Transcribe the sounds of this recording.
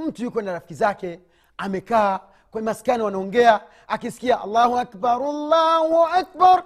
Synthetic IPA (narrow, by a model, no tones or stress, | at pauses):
m̩tujikʷenaɾafkizake | ameka | kʷomaskanawanuŋɡeja | akiskiaʔa̰lːaːhuakbaɾalːahaak̚baɾ